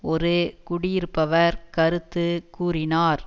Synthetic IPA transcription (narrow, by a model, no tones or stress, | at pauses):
ɔɾɯkʊɽɪjɪɾɯpːɐʋɐɾkɐɾɯt̪ːɯkuːɾɪnaːɾ